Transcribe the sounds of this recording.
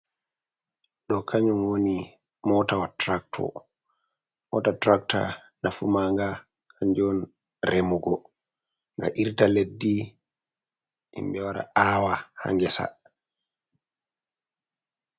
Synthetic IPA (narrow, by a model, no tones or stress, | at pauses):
ɗɔkʰaɲɔmwoni | mɔtawatɾak̚tʰɔ̰ | mɔ̰tatɾak̚ta̰ | nafumaŋɡa | kʰaɲd͡ʒɔn | ɾemuɡɔ | ŋɡa̰ʔiɾtaledːi | ḭmbɛwaɾa̰ʔaːwaha̰ŋɡɛsa̰